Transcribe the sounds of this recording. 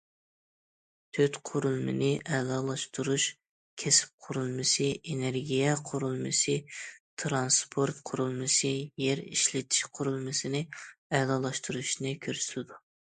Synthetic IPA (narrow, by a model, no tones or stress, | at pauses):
t̪ʰøt̪qʰʊɾulˠmɪ̰nɪʔɛlˠɑːlˠɑʃt̪uɾuʃ | kʲʰesɪ̥p̚qʰʊɾulˠmɨsɨʔeneɾɡʲijɛqʰʊɾulˠmɨsɨt̪ʰɾɑnspʰoɾt̪qʰʊɾulˠmɨsɨjeɾḭʃlɪt̪ʰi̥ʃqʰʊɾulˠmɨsɨnɪɛlˠɑːlˠɑʃt̪uɾuʃnɨkʲʰøɾsɪlɪd̪u